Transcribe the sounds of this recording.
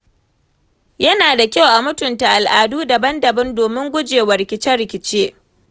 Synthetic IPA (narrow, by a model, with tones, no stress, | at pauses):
jɐ˦naː˨da˨kʲa˦wʔa˨mʊ˦tʊ˨nta˨ʔa˨lʔaː˨duː˦dɐ˨bɐ˦ndɐ˨bɐ˦ndoː˨mɪ˦ŋɡʷʊ˦d͡ʒeː˨wɐ˨ɾɪ˨kʲɪ˨t͡ʃɛ˦ɾɪ˨kʲɪ˨t͡ʃeː˦